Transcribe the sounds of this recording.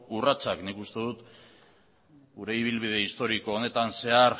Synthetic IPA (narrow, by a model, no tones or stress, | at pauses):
urat͡saknikust̪e̞ðut̪ | ɡuɾe̞iβ̞ilβ̞ið̞e̞ist̪o̞ɾiko̞ːne̞t̪anse̞aɾ